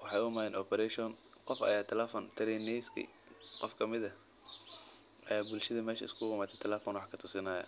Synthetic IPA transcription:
wɑħɑjʊmaːɛnɔpʰɛɾɛʃɔn | qɔfɐ̰jaːt̪ʰɐlɛfɔnt̪ʰɐɾɛnɛjskʰḭ | qɔfkʰɐmɪðɐ | ɐjaːbʊlʃɐðɐmɛːʃɐ̰ɪskʰʊʁʊmaːt̪ʰɛt̪ʰɛlɛːfɔnwɑħkʰɐt̪ʰʊsɪnɐːjɐ̰

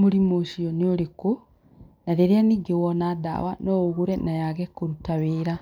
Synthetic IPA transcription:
moɾimoʃiɔneoɾeko | naɾeɾeaniːɡewɔnaːda̰wanɔːɣuɾɛnajaɣɛkoɾutaweːɾa

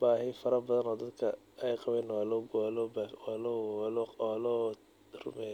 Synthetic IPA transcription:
b̥aːhɪfɐɾɐbɐðɐnɔːd̪ɐd̪kʰɐ | ɛjqɑβɛːnwaːlɔɡlɔbwalɔlɔlɔː | rʊ̰mɛːj

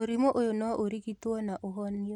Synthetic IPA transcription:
oɾimoʔojonɔaʔoɾikitwɔnaʔoɦɔni

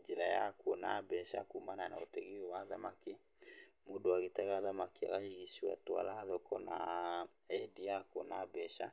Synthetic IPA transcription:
d͡ʒeɾaja̰kwonabɛʃa̰kumananaotɛɣiowaðamaki | modoaɣetɛɣaːðamakia̰ɣaiɣisiwa̰twa̰laːðɔkɔna̰ | ɛdiakonabɛʃa

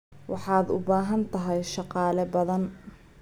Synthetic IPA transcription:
wʔɑħɑːd̪ʊ̰baːɦɐnt̪ʰɐɦɛjʃɑqɑːlɛbɐðɐn

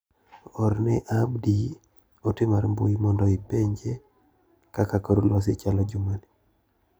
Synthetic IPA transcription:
ɔɾnɛʔabdi | otemaɾmboimɔndɔipeɲd͡ʒe | kakakaɾulwas̬et͡ʃalɔd͡ʒumani

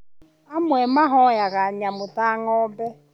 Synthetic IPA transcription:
amʷemaɦɔjaɣaɲamʊtaŋɔbe

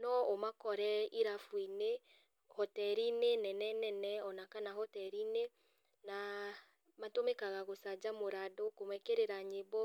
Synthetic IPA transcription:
nɔomakɔɾɛiɾafwine | hɔtɛɾinenɛnɛnɛnɛɔnakanahɔtɛɾine | na | matomekaɣaɣosad͡ʒamoɾadokomwɛkeɾeɾaɲebɔ

